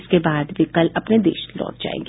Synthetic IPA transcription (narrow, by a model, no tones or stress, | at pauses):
skebaːd̪ʋikɐlɐpned̪ḛːʃlɔ̰ːʈ̚d͡ʒa̰ːḛ̃ːŋɡ